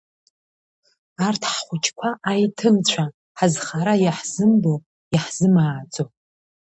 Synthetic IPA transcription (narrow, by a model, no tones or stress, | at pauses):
artʰħχʷʊt͡ʃʰʼkʷʰaʔajtʰɨmt͡ɕʷʰa | ħazχaɾajaħz̥ɨmbo | aħz̥ɨmaːd͡zʼo